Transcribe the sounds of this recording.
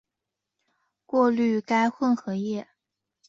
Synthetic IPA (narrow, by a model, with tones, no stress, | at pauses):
kwɔ˥˧ly˥˩ka˥ɪxwə˥˩nxɤ˧˥jɛ˥˩